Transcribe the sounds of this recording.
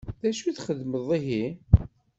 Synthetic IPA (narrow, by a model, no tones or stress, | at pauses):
ðæʃuθχəðməðˤiɦi